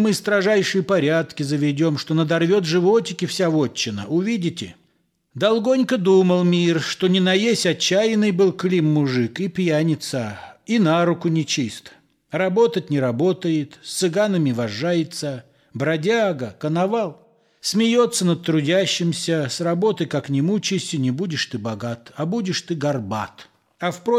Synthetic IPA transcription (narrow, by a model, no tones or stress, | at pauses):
mɨst̪ɾɐʐajʂɨjəpɐɾʲat̪kʲɪzəvʲɪdʲo̞mʂt̪o̞nəd̪ɐrvʲot̪ʐɨvo̞tʲɪkʲɪfsʲavot͡ɕːɪnə̰ʊvʲidʲɪtʲɪ̰ | d̪ɐlˠɡo̞nʲkəd̪uməlˠmʲirʂt̪o̞nʲɪnɐjesʲɐt͡ɕːæjɪnɨjbɨlˠklʲimːʊʐɨkipjanʲɪt̪səinaɾʊkʊnʲɪt͡ɕist̪ | rɐbo̞t̪ətʲnʲɪɾɐbo̞t̪əjɪt̪sʲt̪sɨɡanəmʲɪvɐʐːajɪt̪sə | bɾɐdʲaɡəkənɐvalˠ | sʲmʲɪjo̞t̪sːənət̪̚t̪ːɾʊdʲæɕːɪmsʲəsrɐbo̞t̪əjkaknʲɪmut͡ɕɪsʲtʲɪnʲɪbudʲɪʂt̪ɨbɐɡat̪ɐbudʲɪʂt̪ɨɡɐrba̰t̪ | ɐfpɾo